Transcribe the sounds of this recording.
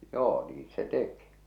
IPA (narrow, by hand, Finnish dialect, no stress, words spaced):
joː niːn̆ se teki